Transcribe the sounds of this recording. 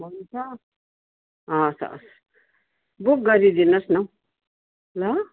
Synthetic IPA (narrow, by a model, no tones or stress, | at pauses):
bʱʌnt͡sʰʌ | ʌsʌ̰s | buk̚ɡʌɾid̪inʌsnʌ | lʌ